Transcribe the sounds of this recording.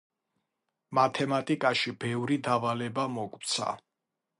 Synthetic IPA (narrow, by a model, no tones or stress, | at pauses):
mat̪ʰɛmat̪ʼikʼaʃibɛvɾid̪avalɛbamɔkʼwt̪sʰa̰